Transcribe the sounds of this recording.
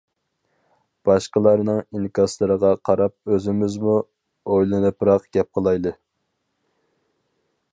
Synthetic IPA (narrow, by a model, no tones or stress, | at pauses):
b̥ɑʃqəlˠɑɾnɨŋinkʰɑslˠɨɾəʁɑqʰɑɾɑp̚øzɪmɪzmu | ojlˠɨnɨpɾɑqɡ̥ʲɛp̚qʰəlˠɑjlˠɨ